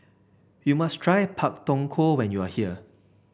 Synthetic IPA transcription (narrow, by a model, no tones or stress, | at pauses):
jumastʰɹajpʰak̚tɔ̃ŋkʰowɛ̃njuahiə